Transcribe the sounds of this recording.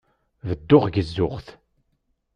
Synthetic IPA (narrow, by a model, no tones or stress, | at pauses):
vəd̪ːʊʁɡəzːʊʁθ